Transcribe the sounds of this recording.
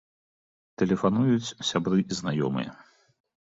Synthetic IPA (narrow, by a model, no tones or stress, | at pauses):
t̪ɛlʲɛfan̪ujut͡sʲsʲabɾɨiznajɔ̰mɨ̰jɐ̰